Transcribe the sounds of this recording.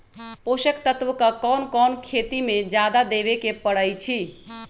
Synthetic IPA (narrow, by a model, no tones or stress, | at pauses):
poʃəkt̪ət̪ʋəkəkɔnkɔnkʰet̪imed͡ʒjad̪ad̪eβekepəɽəjt͡ʃʰi